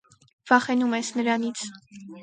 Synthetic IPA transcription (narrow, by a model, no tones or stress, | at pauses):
v̥ɑχɛnumɛsnəɾɑnit͡sʰ